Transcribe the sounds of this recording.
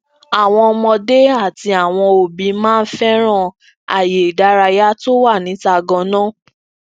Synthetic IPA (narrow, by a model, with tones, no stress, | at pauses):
a˨w̃ɔ̃˧ɔ˧mɔ̃˧de˦a˦˨ti˧a˨w̃ɔ̃˧o˨bĩ˨˦mãː˦˧n̩˦fɛ˦ɾ̃ã˦˨ | a̰˨je˨i˨da˨˦ɾa˧ja˦to˦wa˦˨nĩ˨˦ta˧ɡɔ̃˧nãː˦˨